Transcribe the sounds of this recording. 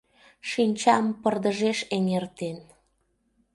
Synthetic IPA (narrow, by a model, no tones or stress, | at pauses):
ʃinʲt͡ɕɑmpərd̪əʒeʃeŋert̪en